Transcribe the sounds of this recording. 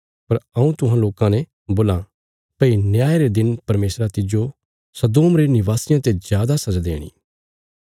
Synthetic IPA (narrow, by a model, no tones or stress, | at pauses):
pɐɾɐ̃ũt̪ʊɦãloːkãnɛ̃ | boːlã | pɐinjaːjɾed̪ɪnpɐɾmeːsɾat̪ɪd͡ʒo | sɐd̪oːmɾenɪʋaːsɪjãt̪ezjaːd̪asɐd͡ʒad̪ḛːɽ̃ḭː